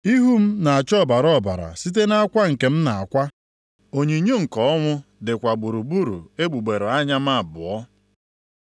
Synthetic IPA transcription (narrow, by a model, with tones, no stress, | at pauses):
i˦ɦu˦m̩˦na˨a˨t͡ʃɔ˦˨ba˨ɾɔ˦˨ba˨ɾa̰˨si˦t̬e˦na˦a˦kʷa˦ŋ̩˨ke˨m̩˦na˨a̰˨kʷa˦ | o˨ɲe˨ɲo˦ŋ̩˨kɔ˨ɔ˦ŋʷʊ˦dɪ˨kʷa˨ɡ͡bu˨ɾu˨ɡ͡bu˦ɾṵ˨e˦ɡ͡bu˨ɡ͡be˨ɾo˨a˦ɲa˦m̩˦a˦˨bʊ˨ɔ˦